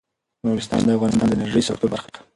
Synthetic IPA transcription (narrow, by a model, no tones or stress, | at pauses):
moɾɪst̪ɑ̰nd̪əafɣɑnɪst̪ɑnd̪əɪnaɾʒəjsakt̪obaɾxak̪ḁ